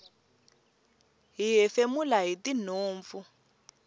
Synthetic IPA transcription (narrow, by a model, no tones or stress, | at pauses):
ɦiɦɛfemulaɦitin̤oːɱvu